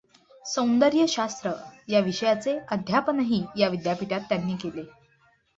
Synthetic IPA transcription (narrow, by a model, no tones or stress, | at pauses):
sə̃w̃nd̪əɾjəɕast̪ɾəjaʋiɕəjat͡seəd̪ʱjapənaɦiːjaʋid̪japiʈat̪ːjanːiːkele